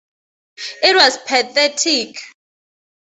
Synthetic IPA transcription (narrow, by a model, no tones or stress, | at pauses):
it̚wazpʰaθɛtʰik